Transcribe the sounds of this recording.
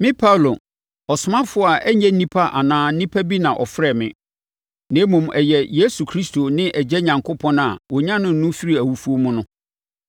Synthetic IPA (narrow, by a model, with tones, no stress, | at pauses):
mɪ̃˦pʰa˦˨lo˨ | ɔ˨sʊ˨mã˦fʊ˦a˨ʔɛ˦ɲɛ̃˦nĩ˦pʰa˦ʔa˨nãː˨˦n̩˦nĩ˦pʰa˦bi˦nã˨ʔɔ̰˨fɾɛ˦˨mɪ̰̃˨ | nẽ˨˦mũ˨mɛ˨jɛ˨je˦su˨kʰɾi˦stʰo˨nɪ̃˦ʔɛ˨d͡ʑɛ˦ɲã˨ŋkʰʊ˦pʰɔ̃˦na˨wɔ˨ɲã˦nʊ̃˦n̩˨nũ˦fi˦ɾi˦æ˨wu˦fu˦o˦mʊ̃˦nʊ̃˦